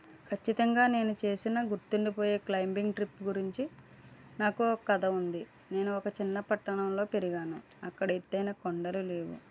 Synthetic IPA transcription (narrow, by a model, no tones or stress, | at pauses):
kʰɐt͡ʃːit̪ɐŋɡaːne̞ːnut͡ʃe̞ːsinɐɡuɾt̪uɳɖipo̞ːjeːklɐjmbiŋɡʈɾipːɡuɾiɲt͡ʃi | naːkuɔkːɐd̪ɐund̪i | ne̞ːnuɔkɐt͡ʃinːɐpɐʈːɐɳɐmlo̞ːpe̞ɾiɡaːnu | ɐkːɐɽɐit̪ːɐjnɐkoɳɖɐlule̞ːʋṵ